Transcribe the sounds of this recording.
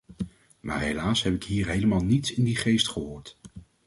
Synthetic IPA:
ma̰ːɹɦḛjlaːsɦɛpɪkɦiːɹɦejləmaːlˠnitsɪndiχejstχəɦʊːɹt

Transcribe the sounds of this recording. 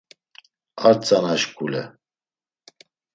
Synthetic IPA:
aɾt͡sʼanaʃkʰʼulɛ̰

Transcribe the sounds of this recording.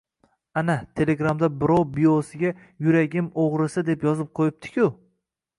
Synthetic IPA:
anat̪ʰe̞leɡɾamd̪abɪɾɒwbiosɪɡʲa | jʊɾaɡʲɪmoʁɾɪsɪd̪e̞pjɒzɪp̚qʰojɪp̚t̪ʰɪ̥kʲʰʊ

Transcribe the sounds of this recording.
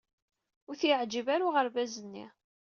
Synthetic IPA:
ʊɾθjʕd͡ʒəvaɾuʁəɾvæzənːḭ

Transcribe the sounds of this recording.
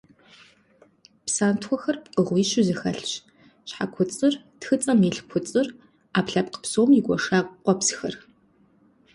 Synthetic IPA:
psaːntʰxʷɔxɐrpqʼəʁʷiːɕɪzɨxɐɬɕ | ɕħa̰kʷʰʊt͡sʼɨr | txɨt͡sʼɐmiɬkʷʰʊt͡sʼɨr | aːpɬɐpqə̥psoːmjɪɡʷɔʂaːkʷʼqʷʼɔpsxɐ̰r

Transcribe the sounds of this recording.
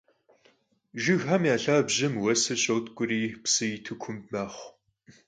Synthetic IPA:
ʒɪɣɦamjaːɬaːbʑɪmwɐsɨɕʼowtkʷʼʊɾiːpsɨjitʰɨkʷʰʊmmaːχʷ

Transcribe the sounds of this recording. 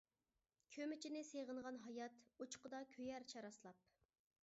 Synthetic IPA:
kʲʰømɪt͡ʃʰinɪseʁəɴʁɑnɦɑjɑt̪ut͡ʃqəd̪ɑkʲʰøjæɾt͡ʃʰɑɾɑslˠɑp̚

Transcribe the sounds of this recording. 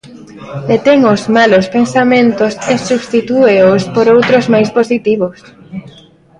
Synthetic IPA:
et̪ɛŋozmalospensamẽnt̪osesuβst̪it̪ueospoɾowt̪ɾozmajsposit̪iβos

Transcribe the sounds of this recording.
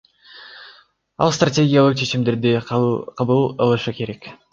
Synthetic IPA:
ɑ̰lˠst̪rɐtʲe̞ɡʲijalˠɯq̚t͡ʃʰe̞t͡ʃimd̪e̞ɾd̪iqʰɑbɯlˠɑlˠɯʃɯke̞ɾe̞k

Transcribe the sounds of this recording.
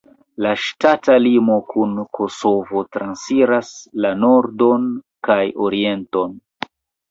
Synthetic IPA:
laʃtatalimo̞kʰunkʰo̞so̞vo̞tɾansiɾaslano̞ɾdo̞nkajo̞ɾie̞nto̞n

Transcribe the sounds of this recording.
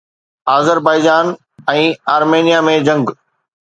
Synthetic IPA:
aːzəɾbaːɪd͡ʑaːn | ɛ̃ːaːɾmeːnijamẽd͡ʑɐ̃ŋɡ

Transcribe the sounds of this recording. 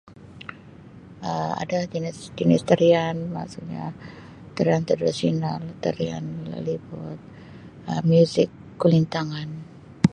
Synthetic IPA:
ʔəa̰dad̪inɪsdinɪst̪əɾianma̰suk̚ɲa̰ | t̪əɾiant̪ərdisiɔnalt̪əɾia̰nlə̰libɔt̪̚ | əmjuzɪkːulint̪aŋan

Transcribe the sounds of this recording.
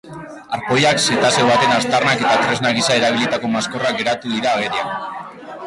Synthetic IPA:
aɾpo̞jakse̞t̪ase̞βat̪e̞nast̪arnake̞t̪at̪ɾe̞znaɣ̞isae̞ɾaβ̞ilit̪ako̞masko̞rak̚ɡe̞ɾat̪uðiɾaːɣ̞e̞ɾia

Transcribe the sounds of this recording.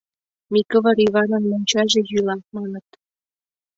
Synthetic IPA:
mikɤ̆vɤ̆ɾivɑnɤ̆nmonʲt͡ɕɑʒĕjylɑmɑnɤ̆t̪

